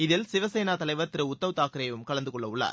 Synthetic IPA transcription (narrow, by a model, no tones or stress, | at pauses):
ɪðɪlsɪʋɐsɛjnaːt̪ɐlɐɪʋɐɾt̪ːɪɾɯʊt̪ːɐʋɯt̪aːkɪɾɐjʋɯmkɐɭɐnd̪ɯkɔɭːɐʊɭːa̰ːɾ